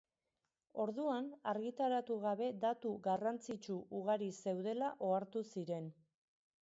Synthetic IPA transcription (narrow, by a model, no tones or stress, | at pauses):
o̞ɾðuanaɾɣit̪aɾat̪uɣaβe̞d̪at̪uɣarant͡sit͡ʃuʔuɣ̞aɾise̞wðe̞laʔo̞aɾt̪usiɾe̞n